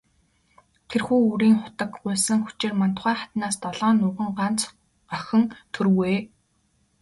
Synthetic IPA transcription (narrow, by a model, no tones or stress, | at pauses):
t̪ʰerxuːuɾiːŋχʊ̥t̪ə̆kɢʊ̟ːsə̆ŋxu̥t͡ɕeːrman̥t̪χæːχat̪naːst̪ɔɮɔːnːʊːʁə̆ŋɢan̥t͡s | œxɘ̆ŋt̪ʰɵɾweː